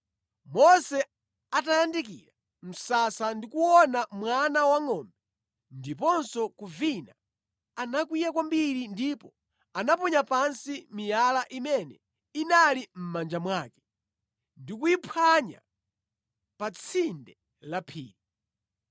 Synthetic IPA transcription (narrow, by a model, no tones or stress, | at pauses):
mɔsɛ | atajandik̬ḭɾa | m̩sasandikuwɔnamwanawaŋɔmbɛ | ndipɔnsɔkuvina | anakwijakwambiɾindipɔ | anapɔɲapansimijalaʔimɛnɛ̰ | inalim̩mand͡ʒamwaːkɛ̥ | ndikuipʰwaɲa̰ | pat͡sʰindɛ | lapʰḭːɾi